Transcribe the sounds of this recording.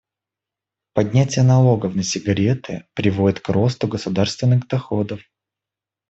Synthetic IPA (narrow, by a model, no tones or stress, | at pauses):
pɐdʲnʲætʲɪjənɐlˠo̞ɡəfnəsʲɪɡɐɾʲe̞t̪ɨ̰pɾʲɪvo̞dʲɪt̪kɾo̞st̪ʊɡəsʊd̪arst̪vʲɪnːɨɣd̪ɐxod̪əf